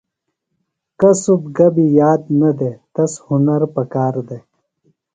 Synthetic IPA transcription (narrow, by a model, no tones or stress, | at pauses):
kɐsubɡɐbijaːd̪nɐd̪et̪ɐshʊnɐɾpɐkaːɾd̪e